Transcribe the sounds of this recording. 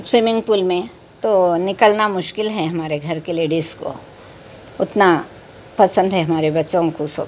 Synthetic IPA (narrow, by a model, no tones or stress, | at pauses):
swɪmɪ̃ŋɡpuːlmẽ | t̪onɪkəlnamʊʃkɪlɦɛɦɐmaːɾeɡʱɐɾkeleːɖiːzko̰ | ʊt̪na | pɐsə̃nd̪ɦɛɦɐmaːɾebɐtːʃõkoso̰ː